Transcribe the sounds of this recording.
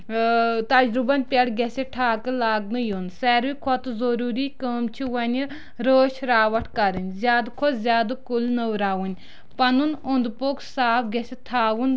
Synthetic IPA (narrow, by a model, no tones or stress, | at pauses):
t̪ɐd͡ʒɾubɐnpʲɐɽɡʲesʲeʈʰaːkɨlaːɡnɨjoːnsɛːɾʋikʰɔt̪ɨzoɾuːɾiːkəːmt͡ʃʰiʋɐnʲi | ɾəːʃɾaːʋɐʈʰkɐɾɨnʲzʲjaːd̪kʰɔzʲjaːd̪ɨkulnəwɾaːwunʲ | pɐnunond̪poksaːpɡʲesʲet̪ʰaːwun